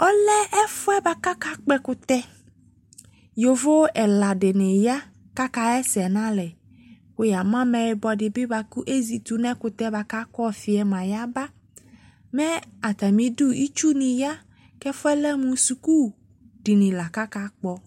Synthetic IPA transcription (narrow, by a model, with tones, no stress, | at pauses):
ɔ˦lɛ˦ɛ˦fʊ˦ɛ˦ba˦ka˦ka˦k͡pɛ˦kʊ˦t̪ɛ˦ | jo˨vo˦ɛ˨la˨ɖe˨ne˨ja˦ | ka˦ka˦ɛ˦sɛ˨nã˦lɛ˨ | ko˦ja˨mã˦mɛ̃˨e˨bɔ˨ɖɪ˨bɪ˦ba˨ku˦ʔe˦zi˨t̪u˨nɛ̃˦kʊ˨t̪ɛ˦ba˨ka˦kɔ˦fi˨ɛ˨mã˨ja˦ba˦ | mɛ̃˦a˨t̪a˨mĩ˨du˦i˦t͡ʃu˦nĩ˨ja˦ | kɛ˦fʊ˦ɛ˦lɛ˦mũ˦su˨ku˦ | ɖi˨nĩ˨la˨ka˦ka˦k͡pɔ˨